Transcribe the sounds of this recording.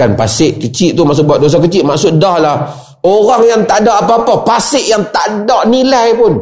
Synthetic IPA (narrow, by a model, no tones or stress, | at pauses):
anpasɪʔkət͡ʃiʔt̪umaʔs̬ʊʔ̚buat̪̚dos̬ak̬ət͡ʃɪʔmaʔsʊʔdahlah | oɾaŋjaŋt̪aʔdaʔapaːpapasɪʔjaŋt̪aʔdaʔnilajpʊn